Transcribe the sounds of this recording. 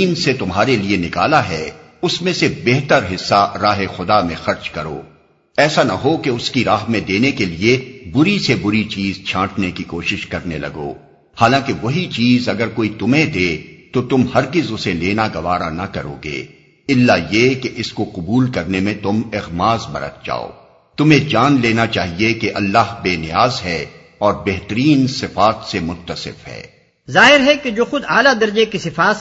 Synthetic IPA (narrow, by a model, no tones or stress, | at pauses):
iːnset̪ʊmɦaːɾelienɪkaːlaɦɛ | ʊsmẽsebeːɦt̪əɾɦɪsːaɾaːɦexʊd̪amẽxɐɾt͡ʃkɐɾo̰ː | ɛːsanɐ̰ɦokeʊskiɾaːɦmẽd̪eːnekeliebʊɾisebʊɾit͡ʃiːzt͡ʃʰãːʈʰnekikoːʃɪʃkɐɾnelɐ̰ɡo̰ː | haːlãkeʋɐɦit͡ʃiːzɐɡəɾkoːit̪ʊmẽd̪eːt̪ot̪ʊmhɐɾɡɪzʊseleːnaɡɐʋaːɾanɐkɐɾo̰ːɡḛː | ɪlːajekeʔɪskoqʊbuːlkɐɾnemẽt̪ʊmɪɣmaːzbɐ̰ɾə̰t̪̚d͡ʒa̰ːo̰ː | t̪ʊmẽd͡ʒaːnleːnat͡ʃaːɦiekeʔɐlːaːɦbeːnɪjaːzɦɛ | ɔːɾbɛɦt̪əɾiːnsɪfaːt̪semʊt̪ːəsɪ̰fɦɛ̰ː | zaːɦɪɾɦɛked͡ʒoːxʊd̪aːlad̪ɐɾd͡ʒekisɪfaːt̪